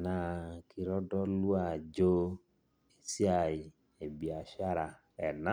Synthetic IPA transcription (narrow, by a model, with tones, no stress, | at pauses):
na˧˨˧ki˧ɾɔ˦dɔ˦lu˦a˨d͡ʒo˧ | e˨si˦a˧˨ji˨ | e˨bi˨a˧ʃa˦ɾa˧ | ɛ˨na˦